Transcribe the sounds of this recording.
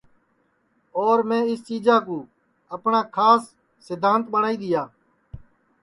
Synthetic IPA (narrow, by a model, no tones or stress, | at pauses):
oːɾmẽːɪst͡ʃiːd͡ʒãːkũː | əpɳãːkʰaːsː | ɪd̪ʱãːnt̪ɓənaːiːɗ̪ɪjaː